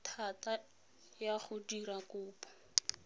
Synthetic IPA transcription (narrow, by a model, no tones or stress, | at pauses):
tʰata | jaχʊdiɾakʊːpɔ̥